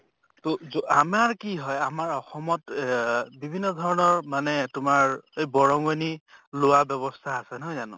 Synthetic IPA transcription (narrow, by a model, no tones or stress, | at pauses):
tozoʔamaɹkiɦɔjamaɹɔxɔmɔt | bibʱinːɔdʱɔɹɔnɔɹmanɛtʊmaɹejbɔɹɔŋonilʊwabjɔβɔstʰaːsɛnɔjzanʊ̰̃